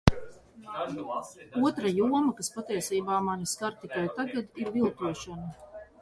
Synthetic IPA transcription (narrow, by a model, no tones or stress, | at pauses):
uɔt̪ɾajuɔmakaspat̪iɛsiːbaːmaniskaɾt̪ikajt̪aɡad̪iɾvilˠt̪uɔʃana